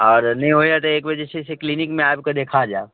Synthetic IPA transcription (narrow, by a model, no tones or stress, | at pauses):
ɔːɾnɐɦĩɦojat̪ɐeːkʋed͡ʒeʃeseklinɪkmẽaːjbked̪eːkʰad͡ʒaː